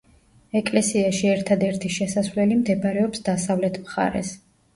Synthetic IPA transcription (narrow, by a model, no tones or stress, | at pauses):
ɛkʼlɛsiaʃiɛɾt̪ʰad̪ɛɾt̪ʰiʃɛsasvlɛlimd̪ɛbaɾɛɔpsd̪asavlɛt̪ʰmχa̰ɾɛ̰s